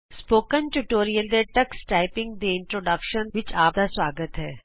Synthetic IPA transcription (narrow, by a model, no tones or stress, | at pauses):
spoːkənʈuʈoːɾijəld̪eʈɐksʈaːɪpɪ̃ŋɡ̚d̪eɪ̃ɳʈɾoːɖɐkʃənʋɪt͡ʃaːp̚d̪aswaːɡət̪ɦɛː